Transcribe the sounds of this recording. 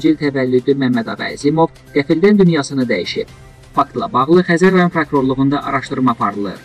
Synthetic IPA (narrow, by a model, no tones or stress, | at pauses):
d͡ʒilt̪ʰævælːyd̪ymæmːæd̪ɑvæ̰zimo̞v | ɡ̪̥æfild̪ænd̪ynjɑsɯnɯd̪æjiʃib̥ | fɑk̚t̪lˠɑ̰bɑɣlˠɯxæzæɾɑjonmpʰɾokɾo̞ɾlˠuɣund̪ɑʔɑɾɑʃt̪ɯɾmɑːpʰɑɾɯlˠɯ̰ɾ